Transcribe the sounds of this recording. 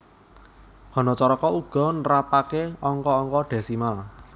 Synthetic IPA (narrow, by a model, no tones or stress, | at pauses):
hɔnɔt͡ʃɔɾɔkɔuɡ̥ɔ̤nɾapakeɔŋkɔːŋkɔɖ̪̥e̤simal